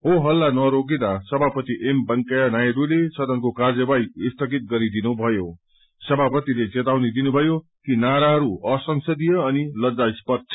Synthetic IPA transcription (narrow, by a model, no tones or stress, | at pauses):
ɦoɦʌlːanʌɾoɡid̪asʌbʱapʌt̪iʔembʌŋkajanajeɾulesʌd̪ʌnkokard͡zʌbajist̪ʰʌɡit̪̚ɡʌɾid̪inubʱʌjo | sʌbʱapʌt̪iled͡zet̪awnid̪inubʱʌjo | kinaɾaɦʌɾuʌsʌŋsʌd̪ijʌːnilʌd͡zajspʌrt͡sʰ